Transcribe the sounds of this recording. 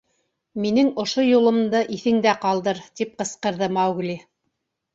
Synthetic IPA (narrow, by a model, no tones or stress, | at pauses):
minɘŋŏʃojulˠɤ̆md̪ɤʔiθɘ̆ŋd̪æqɑlˠd̪ɤɾt̪ip̚qɤ̆sqɤ̆ɾðɤmɑwɡli